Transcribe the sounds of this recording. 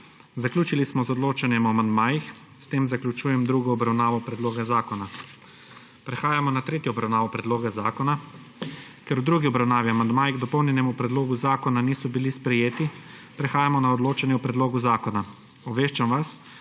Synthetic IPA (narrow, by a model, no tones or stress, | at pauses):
zaklʲjuːt͡ʃilismɔzɔd̪loːt͡ʃanjɛmɔamand̪maːjix | st̪eːmzaklʲut͡ʃuːjɛmd̪ɾuɡɔːbɾawnaːʋɔpɾɛd̪loːɡazaːkɔna | pɾɛxaːjamɔnat̪ɾeːt̪jɔɔbɾawnaːʋɔpɾɛd̪loːɡaza̰ːkɔna | kɛɾud̪ɾuːɡiɔbɾawnaːʋiamand̪maːjiɣd̪ɔpɔwnʲjɛnɛmupɾɛd̪loːɡuzaːkɔnaniːsɔbilispɾɛjeːt̪ipɾɛxaːjamɔnaɔd̪loːt͡ʃanjɛupɾɛd̪loːɡuzaːkɔna | ɔbʋeːʃt͡ʃamʋas